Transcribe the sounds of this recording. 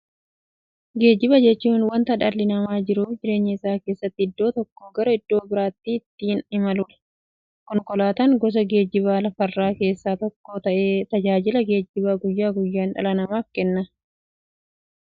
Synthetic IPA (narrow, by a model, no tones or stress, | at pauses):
ɡe̞ːd͡ʒɪbɐd͡ʒɛt͡ʃːuːnwɐnt̪ɐᶑɐlːɪnɐmaːd͡ʒɪɾuːfd͡ʒɪɾe̞ːɲːɪɪsaːkeːsːɐt̪ːɪɪd̪ːo̞ːt̪ɔkːoːɡɐɾɐɪd̪ːo̞ːbɪɾaːt̪ːiːɪt̪ːiːnɪmɐluːᶑɐ̥ | kɔŋkɔlaːt̪ɐŋɡɔs̬ɐɡe̞ːd͡ʒɪβaːlɐfɐrːaːke̞ːsːaːt̪ɔkːo̞ːt̪ɐʔe̞ːt̪ɐd͡ʒaːd͡ʒɪlɐɡe̞ːd͡ʒːɪβaːɡʊjːaːɡʊjːaːnᶑɐ̰lɐnɐmaːfkɛnːɐ